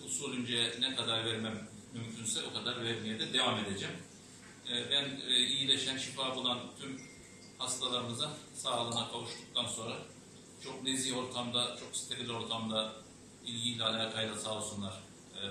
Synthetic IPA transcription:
usulʲˠynd͡ʒɛnɛkʰad̪aɾvæɾmæmː | ymcʰynsɛokʰad̪aɾvɛɾmʲijɛd̪ɛd̪e̞vame̞d̪e̞d͡ʒɛmː | bænːijilʲe̞ʃænʃifaːbulˠant̪ʰym | hast̪ʰalˠaɾɯnɯzɯn | saːlˠanakʰavuʃt̪uk̚t̪ʰanso̞nɾa | t͡ʃʰo̞k̚ne̞zio̞ɾt̪ʰamd̪at͡ʃʰo̞kst̪ʰebilʲo̞ɾt̪ʰamd̪a | ilʲɟilʲɛalʲaːkʰajlˠasaːlˠsunlˠaɾ̥

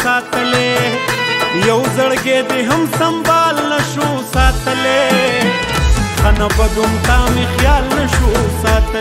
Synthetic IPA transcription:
saːt̪əle | jɐwzɐɽɡeːd̪iɦɐmsɐmbɑːlnɐʃu | saːt̪əle | xɐnabɐɡʊmt̪aːmexjɑːlnɐʃusɑːt̪

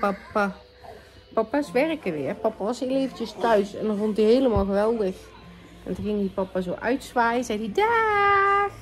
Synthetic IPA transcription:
pɑpa | pɑpasʋɛrkəʋɪərpɑpaʋɑshɪːlejvəntəstœɥsɛ̰ndɔnrontdiɦejləmaːlˠɣəʋɛlˠdəx | ɔ̰ntɔxɪŋdipɑpazoːʔœ̰ɥtsʋaːjəzɛjdida

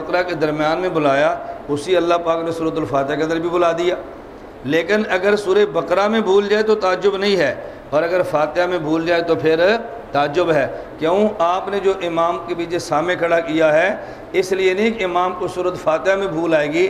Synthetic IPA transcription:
qɾaked̪əɾmjaːnmẽbʊlaːjaːʊsiɐlːaːpaːknesuːɾət̪̬ʊlfaːt̪ɪjakeə̃nd̪əɾbʱibʊlaːd̪ijaː | leːkɪnɐɡəɾsuːɾebəkɾamẽbʱuːld͡ʒaːet̪̬ot̪aːd͡ʒʊbnɐɦĩɦɛː | ɔːɾəɡəɾfʰaːt̪ɪjamẽbʱuːld͡ʒaːet̪opʰɪɾ | t̪aːd͡ʒʊbɦɛː | kjoũʔaːpned͡ʒoːʔɪmaːmkebiːt͡ʃesaːmẽkʰɐɽakijaɦɛː | ɪslienĩkɪmaːmkʊsuːɾət̪fʰaːt̪ɪjamẽbʱuːlaːeːɡiː

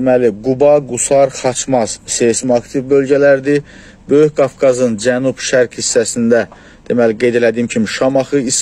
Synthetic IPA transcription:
emæliɡubɑɡusɑɾχɑt͡ʃʰmɑz̥sesmɑkt̪ʰivbø̞lɟælæɾd̪i | bø̞jyçɡɑfkʰɑzɯnd͡ʒænubʃæɾkhisːæsind̪æ | d̪̥emæliɡe̞jd̪e̞læd̪iːmcʰimiʃɑmɑχɯis

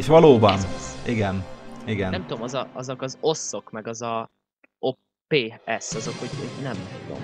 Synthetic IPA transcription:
eʃʋɒloːbɒniɡɛniɡɛnɛmt̪uomɒzɒɒzokɒzo̞sːo̞kmɛɡɒzɒ | o | peːɛsɒzo̞khoɟoɟnɛmud̪o̰m

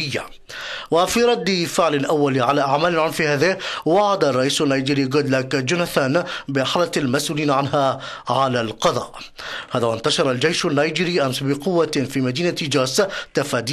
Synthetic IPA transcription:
ɪjːa̰ | wafiːɾˤɑd̪ːɪfɪʕlɪnʔawːaliʕalaːʔaʕmaːlɪlʕʊnfihaːðɪhwɑʕad̪arˤːɑʔiːsanːaːjd͡ʒiːɾiːɡʊd̪lakd͡ʒʊnaθanbɪħalatalmasʔuːliːnʕanɦaː | ʕalalqɑðˤɑ̰ːʔ | haːðaːwant̪aʃɑɾˤɑld͡ʒajʃanːaːjd͡ʒiːɾiːʔamsbɪqʊwːafiːmad̪iːnad͡ʒaːst̪afaːd̪iː

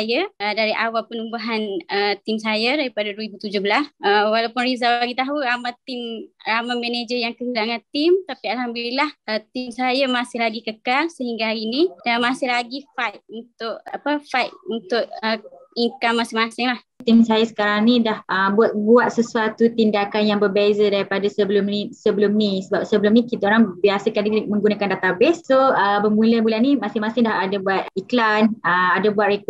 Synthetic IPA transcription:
jaədaɾiʔawalpənumbaɦanət̪imsajadaɾipadaɾuibut̪ud͡ʒʊhbəlasəwalawpʊnrizaaɡit̪aɦuamat̪ɪmɾamamɛned͡ʒəjaŋkəɦilaŋant̪ɪmt̪apialɦambililahʔət̪imsajamasɪɦlaɡikəkalsəɦiŋɡaɦaɾinidamasɪhlaɡifat̪̚unt̪ʊʔapəfajt̪̚unt̪ʊʔ̚əiŋkamːasɪmasɪŋlah | t̪imsajasə̥kaɾaŋnidahʔəbuat̪̚buat̪̚səsuat̪ut̪indakanjaŋbərbezədaɾipadasəbəlʊmnisəbəlʊmnisəbap̚səbəlʊmnikit̪aoɾaŋbiasəkandimə̃ŋɡunakandat̪abɪssoəbəmuləmulanimasɪmasɪŋdaɦadabuat̪̚iklanəadabuat̪̚ɾek

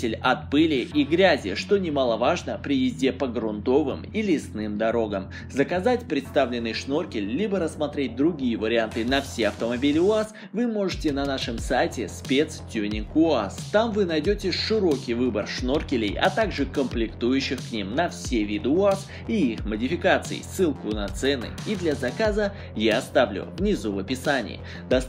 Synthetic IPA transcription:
ɪlʲɐt̪̚pɨlʲɪʔiɡɾʲæzʲɪ̰ʂt̪o̞nʲɪmalˠəvaʐnəpɾʲɪjɪzʲdʲepəɡɾʊnt̪o̞vɨ̰milʲɪsnɨmd̪ɐɾo̞ɡəm | zəkɐzatʲpɾʲɪt̪st̪avlʲɪnːɨjʂno̞rkʲɪlʲlʲibəɾəsːmɐt̪ɾʲet̚ʲd̪ɾʊɡʲijəvəɾʲɪant̪ɨnɐfsʲeɐft̪əmɐbʲilʲɪʊas | vɨmo̞ʐɨtʲɪnɐnaʂɨmsajtʲɪspʲet̪stʲunʲɪkʊast̪amvɨnɐjdʲotʲɪʂɨɾo̞kʲɪjvɨbərʂno̞rkʲɪlʲɪ̰jɐ̰t̪aɡʐɨkəmplʲɪkt̪ujʉɕːɪxknʲimnɐfsʲevʲid̪ɨʊas | iixmədʲɪfʲɪkat̪sɨ̰ɪ̰sːɨlˠkʊnɐt̪sɛnɨ̰id̪lʲɐzɐkazə | jaɐst̪avlʲʊ̰vnʲɪzuvəpʲɪsanʲɪ̰j̰ː | d̪ɐ

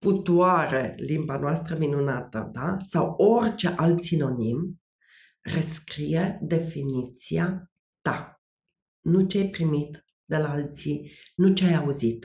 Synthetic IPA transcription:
put̪uaɾḛlimbanoast̪ɾəminunat̪ə̰d̪asawo̞rʲt͡ʃe̞ʔalt̪sino̞nim | reskɾijed̪e̞finit̪sia | t̪a | nut͡ʃeajpɾimit̪ | d̪elaalt̪sinut͡ʃeajauzit̪

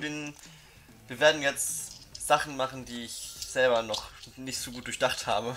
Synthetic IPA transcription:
bɪn | viːɐveːɐdn̩jɛt͡stz̥aχn̩maχn̩diːɪçz̥ɛlbɐnɔχnɪçtz̥oːɡuːt̚d̥ʊɐçd̥aχtha̰ːbə

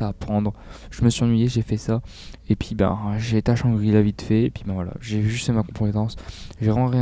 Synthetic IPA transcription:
aːpχɑ̃d̪ʁʒ̥əməsɥiɑ̃nɥijeʒefɛsaepɥibɛ̰̃ʒet̪aʃɑ̃ɡʁilavit̪fɛepɥibɛ̃vwala̰ʒevyʒyt̪fɛmakɔ̃pet̪ɑ̃sʒeʁɑ̃ʁi

